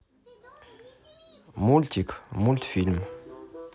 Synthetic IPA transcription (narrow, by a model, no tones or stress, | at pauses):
mult̪ikmult̪film